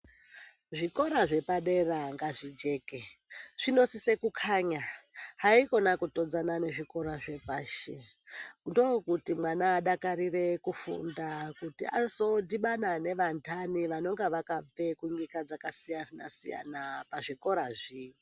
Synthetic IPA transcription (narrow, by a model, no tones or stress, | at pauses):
ʐiko̞ɾaʐe̞paɗe̞raŋɡaʐid͡ʒe̞ːkeʐ̥ino̞sise̞kukʰaɲaɦaiko̞nakuto̞d͡zanane̞ʐiko̞ɾaʐe̞paːʃe | ndo̞kutimwanaːɗakaɾire̞kufṵndakutḭa̰so̞diɓanane̞ʋantʰaniʋano̞ŋɡeʋakab͡ve̞kuɲikad͡zakasijana̰sḭja̰napaʐiko̞ɾaʐi